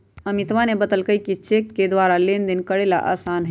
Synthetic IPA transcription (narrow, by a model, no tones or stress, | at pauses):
əmit̪ʋanebəd̪əlkəjkit͡ʃekked̪waːɾalend̪inkəɽela̰ʔa̰ːsaːnɦ